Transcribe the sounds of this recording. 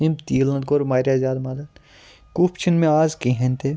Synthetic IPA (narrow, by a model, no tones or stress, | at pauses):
ĩmt̪iːlɐ̃nd̪koːɾmaːɾjazaːd̪mad̪ɐt̪ | kuːpt͡ʃʰinmẽaːzkĩɦẽnt̪ʰe